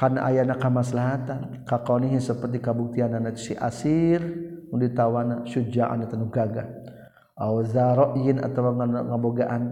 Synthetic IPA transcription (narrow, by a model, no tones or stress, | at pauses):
kana̰ʔa̰janakamasəlaɦat̪an | kakawniɦisəpərt̪̬ikabuk̚t̪iananat͡ʃsiʔa̰sirŋudit̪awanaʃud͡ʒaʔa̰nat̪anuhɡaɡa | ʔawzaɾɔʔjɪna̰t̪awaŋəboɡaʔan